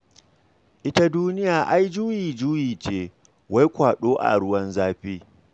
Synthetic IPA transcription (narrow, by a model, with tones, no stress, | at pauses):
ʔɪ˦ta˦duː˦nɪ˦jaː˨ʔa˦jd͡ʒuː˦jiː˨d͡ʒuː˦jiː˨t͡ʃeː˦ | wa˦jkʷaː˨ɗoː˦ʔa̰˨ɽʊ˦wɐ˦nzaː˦ɸiː˦